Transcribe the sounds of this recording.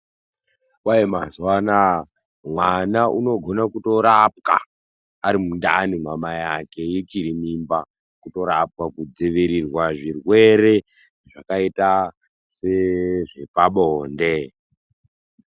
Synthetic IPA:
kwajemazwana | mwanaʔuno̞ɡʱo̞nakuto̞ɾap̚ka̰ː | ɾimundanimwamajake̞jit͡ʃiɾimimba | kuto̞ɾap̚kakud͡zeʋiɾirwaʐirwe̞ɾe̞ | eʐakaita | seʐe̞paɓoɦoːnde

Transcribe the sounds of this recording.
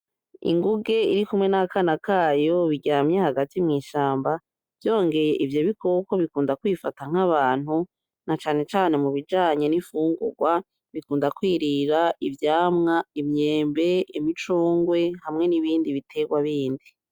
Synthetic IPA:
ḭŋɡuɡe̞ḭɾikumŋe̞nakanakaːjo̞βiɟaːmɲe̞haɡatimŋiːʃaːmba | v̥jo̞ːŋɡe̞je̞ʔivjo̞βikʰokwoβikuːndakwiːfataŋ̥aβaːn̥hu | nat͡ʃaːne̞t͡ʃaːne̞muβid͡ʒaːɲe̞nifuːŋɡṵɡwa | βikuːndakwiːɾiɾaʔivjaːmŋaimɲeːmbe̞imit͡ʃuːŋɡwe̞hamŋe̞niβiːndiβitʰe̞ɡwaβiːndi

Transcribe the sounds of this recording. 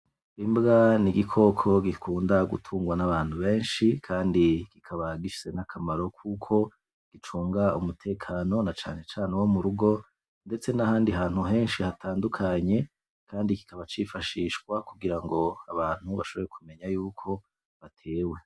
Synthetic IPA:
imbɡaniɡikʰo̞kʰo̞ɡikʰuːndaɡṵtʰuːŋɡwanaβaːn̥huβe̞ːnʃikʰaːndikikʰaβaɡiʃi̥se̞nakʰamaɾo̞kʰukʰo̞ | ɡ̥it͡ʃuːŋɡaumutʰe̞ːkʰaːno̞nat͡ʃa̰ːne̞t͡ʃaːnewo̞muɾuɡo̞ | nde̞t͡se̞nahaːndiɦaːnhuɦe̞ːnʃihatʰaːndukʰaɲe̞ | kʰaːndiki̥kaβat͡ʃifaʃiːʃkwakuɡiɾaŋɡo̞a̰βaːn̥huβaʃo̞βoɾe̞kʰume̞ɲajuːkʰo̞ | βatʰe̞ːwe̞

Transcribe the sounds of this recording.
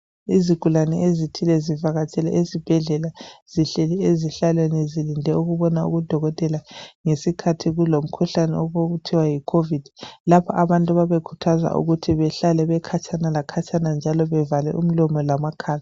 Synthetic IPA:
iziɡ̥ʱulanɛezitʰilɛzivaɣat͡ʃʼɛlɛʔezib̥ʱɛɮɛlaz̥iɬɛlɛeziɬalwenizilindʱɛuɣuβɔnaṵɣud̥ʱɔɣɔtʼɛlaŋesikʰatʰiɣulom̩kʰuɬanɛ̰ɔβoβutʰiwajikʰovid̥ʱilapʰɔʔaβantʼuβaβekʰu̥tʰaza̰ʔṵɣutʰiβɛɬalɛβɛkʰat͡ʃʰʼanalakʰat͡ʃʰʼanand͡ʒʱalɔβɛvalɛ̰ʔṵm̩lɔmɔlamakʰaːla

